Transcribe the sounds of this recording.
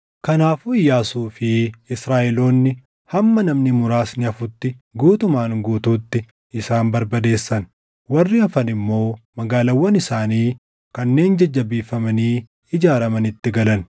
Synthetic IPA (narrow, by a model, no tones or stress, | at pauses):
kɐnaːfuɪjːaːsuːfɪɪsɾaːʔɛlo̞ːnːɪ | hɐmːɐnɐmnɪmʊɾaːsnɪɐfʊt̪ːɪɡuːt̪ʊmaːŋɡuːt̪uːt̪ːɪ | ɪsaːnbɐɾbɐd̪e̞ːsːɐn | wɐrːɪɐfɐnɪmːo̞ːmɐɡaːlɐwːɐnɪsaːniː | kɐnːe̞ːnd͡ʒɐd͡ʒːɐbiːfɐmɐniː | ɪd͡ʒaːɾɐmɐnɪt̪ːɪɡɐlɐn